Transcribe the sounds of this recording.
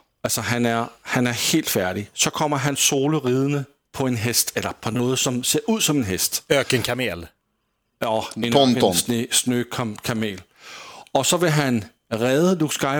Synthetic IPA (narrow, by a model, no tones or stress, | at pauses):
ælsɒɦænæɐhænæɐhe̝̰ːld̥fæɐɾ̥isɒ̽kʰɒ̽m̰ɐɦænso̝ːləʁiːð̞ˠənə | pʰɒ̽e̝nɦesd̥elɐpʰɒ̽nɔ̽ːð̞̩ˠsɒ̽mse̝ːɐʔuð̰ˠsɒ̽me̝nɦesd̥økənkʰæmḛl | ɒen | snøkʰkʰæmḛːl | ɒ̽sɒ̽ʋe̝ɦæn | ʁɛːðˠəd̥usɡ̥ɑɪ